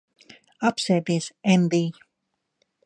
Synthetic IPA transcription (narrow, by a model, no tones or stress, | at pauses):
apseːd̪iːsɛnd̪iː